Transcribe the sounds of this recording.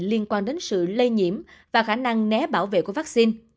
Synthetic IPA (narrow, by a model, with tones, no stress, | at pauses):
li˧ənkwaː˧nɗe˨˦nsɨ̰˧˨lə˧jɲḭ˧˩əmvaː˨˩xaː˧˩na˧ŋnɛ˨˦ɓaː˧˩wvḛ˧˨ku˧˩əva˦˥k̚si˧n